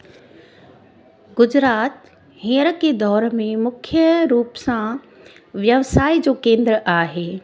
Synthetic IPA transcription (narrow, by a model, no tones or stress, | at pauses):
ɡʊd͡ʑɾaːt̪ | ɦẽːəɾəked̪ɔːɾmẽmʊkʰjəɾuːpsã | ʋjəʋsaːid͡ʑoːkẽːnd̪ɾəʔaːɦeː